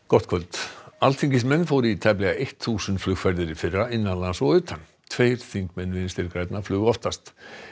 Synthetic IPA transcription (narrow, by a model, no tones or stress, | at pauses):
kɔht̪kʰvœlt̪alt̪ʰiŋcɪsmɛnːfowɾit̪ʰɛp̬lɛɣaejht̪θuːsʏnt̪flʏxkfɛɾðɪɾɪfɪrːaɪnːanlasɔɣʏːt̪ʰanː | t̪ʰveːjɾ̥θiŋkmɛnːvɪnɪst̪ɪɾkɾajt̪naflʏːɣɔft̪ast̪